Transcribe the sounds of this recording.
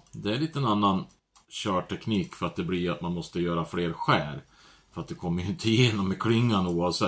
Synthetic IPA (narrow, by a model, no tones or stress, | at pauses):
d̪ɛæɭiːt̪əɛnanːan | ɕœːʈʰɛkniːkfœɾat̪̚d̪ɛblɪat̪manmɔst̪əjœːɾafleːɾɧæːɾ | fœɾat̪̚d̪ɛkʰɔmːəɾjʏɪnt̪ʰəɪjeːnɔmːɛkʰlʏŋːanuːavsɛ